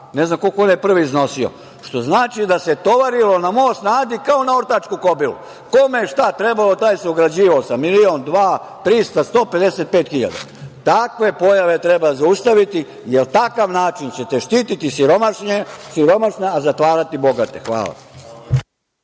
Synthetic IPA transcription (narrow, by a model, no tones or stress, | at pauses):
ne̞znamko̞lkoonjepr̩ʋiːzno̞sio̞̰ | ʃt̪o̞znaːt͡ʃid̪aset̪o̞ʋaɾilo̞namo̞osnaːzikao̞nao̞ɾt̪at͡ʃkuko̞bilṵ | komeeʃt̪at̪ɾe̞balo̞t̪aːjsuɡɾad͡ʑiːʋaosamilio̞nd̪ʋaː | t̪ɾist̪ast̪o̞ːpe̞d̪e̞set̪̚pe̞ːt̪xiʎa̰d̪a̰ | t̪akʋe̞po̞jaʋet̪ɾebazaust̪aʋit̪i | jelt̪akaʋnaːt͡ʃint͡ɕe̞t̪eʃt̪iːt̪it̪isiɾo̞maʃɲesiɾo̞maʃneazat̪ʋaːɾat̪ibo̞ɡat̪e̞xʋa̰ːlˠa̰